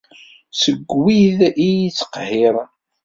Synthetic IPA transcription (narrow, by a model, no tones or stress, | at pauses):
səɡːwiðijit͡sːə̥qhiɾˤ